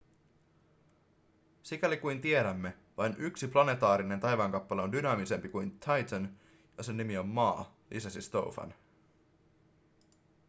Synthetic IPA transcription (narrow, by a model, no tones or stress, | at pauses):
sikælikujnt̪ie̞ɾæmːe̞ | ʋɑjnʔyksiplɑne̞t̪ɑːɾine̞nt̪ɑjʋɑːŋkɑpːɑle̞ondynɑːmise̞mpikujnt̪ʰɑjt̪ʰən | josenːimio̞mːɑː | lʔḭsɑsist̪o̞̰wfɑ̰n